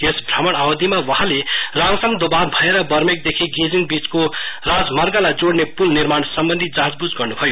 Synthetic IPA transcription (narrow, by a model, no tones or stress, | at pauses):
esbʱramʌɽ̃awod̪imawʌɦãleraŋsʌŋd̪obanbʱʌeɾʌbʌɾmek̚d̪ekʰiɡed͡ziŋɡbit͡skorad͡zmʌɾɡalad͡zoɽnepulniɾmaɳsʌmbʌnd̪ʱid͡zaɦad͡zbud͡zɡʌrnubʱʌjo